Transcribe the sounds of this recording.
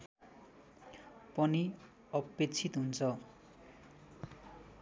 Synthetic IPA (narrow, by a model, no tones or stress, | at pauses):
pʌni | ʌpːet͡sʰit̪ɦunt͡sʰʌ